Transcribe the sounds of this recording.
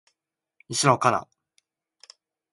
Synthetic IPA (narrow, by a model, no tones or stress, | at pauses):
isɨnokana̰